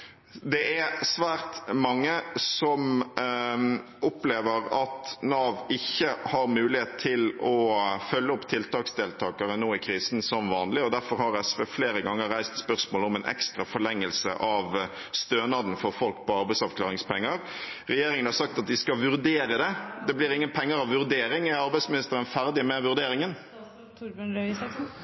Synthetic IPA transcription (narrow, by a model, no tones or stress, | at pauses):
d̪ɛʔæsʋæːɾt̪mɑŋːəsɔm | ɔpleːʋəɾɑt̪nɑːʋɪçːəhɑɾmʉːlɪheːt̪ʰːɪlɔfœlːəɔpːt̪ʰɪlt̪ɑːksd̪eːlt̪ʰɑːkɑɾənoːɪkʰɾiːsn̩sɔmʋɑːnlɪɔd̪æɾfɔɾhɑɾɛsʋeːfleːɾəɡɑŋːəɾːæɪst̪spœʁsmoːlɔmɛɪnʔɛ̰kst̪ɾɑfɔɾɭɛŋːəlsə̰ʔɑʋ | st̪øːnɑd̪n̩fɔɾfɔlk̚pɔɑɾbæɪsɑʋkʰlɑːɾɪŋspɛŋːəɾɾɛjeːɾɪŋənhɑɾsɑk̚t̪ɑt̪̚d̪ɪskɑʋʉɾd̪eːɾəd̪ɛd̪ɛblɪɾɪŋːənpʰɛŋːəɾɑʋʋʉɾd̪eːɾɪŋæɑɾbæɪsmɪnɪst̪əɾənfæɾd̪ɪmɛʋʉɾd̪eːɾɪŋən